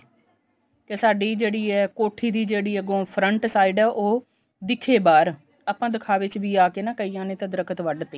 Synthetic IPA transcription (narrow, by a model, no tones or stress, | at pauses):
k̪esaːɖiːd͡ʒeːɽiːɛːkoːʈʰiːd̪iːd͡ʒeːɽiːəɡõːpʰɾəɳʈsaːiːɖɛːʔoː | d̪ɪkʰːeːbaːɾ | aːpãːd̪ɪkʰaːʋɪt͡ʃʋiːaːkeːnãːkəiːãːnẽːt̪ãːd̪ɪɾəkət̪ʋəɖt̪eː